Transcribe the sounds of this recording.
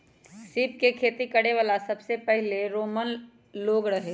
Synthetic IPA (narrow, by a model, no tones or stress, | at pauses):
sɪːp̚kekʰeːt̪ikɐɽeʋaːlasɐbsepɛɦleɾoːmən | loːɡɾɐɦe